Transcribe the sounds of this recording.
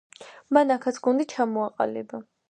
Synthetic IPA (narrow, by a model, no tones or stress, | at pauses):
manakʰat̪sʰɡund̪it͡ʃʰamɔaqʼa̰lɛba